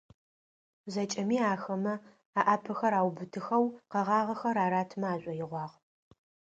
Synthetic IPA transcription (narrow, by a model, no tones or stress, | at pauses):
zɐt͡ʃʼɐmiːaːxɐmɐ | aːʔaːpʰɨxɐɾaːwbɨtʰɨxɐwqɐʁɑːʁɐxɐɾaːɾaːtʰmɐaːʑʷʼɔjɪʁʷɑːʁ